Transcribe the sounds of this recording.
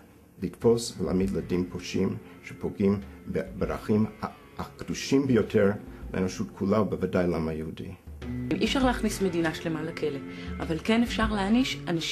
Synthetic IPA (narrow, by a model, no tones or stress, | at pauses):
litfosvela̰ːmidladimpʰoʃimʃepʰoɡimbbeɾa̰χim | akd̥uʃimbəjotʰeɾlḛenoʃutkʰulabəvadajlamhajəhudḭmʔifʃaʁleaχnisme̞dinaʃlemalakʰeleʔa̰valkenefʃaʁleaniʃanaʃ